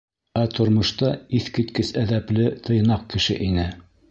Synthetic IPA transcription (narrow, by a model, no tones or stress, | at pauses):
æt̪ŏɾmŏʃt̪ɑiθkit̪kɘsæðæplɘt̪ʰɤ̆jnɑq̚kɘ̆ʃɘ̰ʔinɘ